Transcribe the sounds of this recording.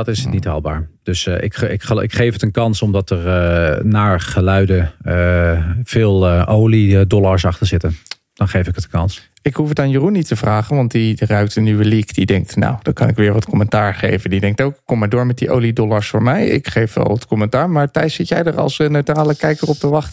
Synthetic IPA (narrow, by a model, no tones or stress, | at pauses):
dtɪsətnitɦɑ̰ːlˠba̰ːɹd̥øsɪkɪkəɪ̰kχejfətənkɑnsɔmdɑtəɹnaːɹχəlœɥdə | v̥ɪːlˠowlidɔlaɹsɑχtəɹzɪtən | d̥ɑnχejfɪkətənkɑns | ɪkɦufətaːnjərunːitəvraːχənʋɑntdirœɥk̚tənːyʋəlikdidɛŋk̚tna̰wd̥ɔkɑnɪkʋɪːɹʋɑtkɔmɛntaːɹχḛjvəndidɛŋk̚towkɪkːɔmːaɹdʊːɹmɛt̚diʔo̰wlidɔlaɹsfʊːɹmɛjɪ̰kχejfʋɛ̰lˠʋətkɔmɛntaːɹmaːɹtɛjtsɪtjɛjdərɑ̰lˠsənøɥtraːləkɛjkərɔp̚dəʋɑχt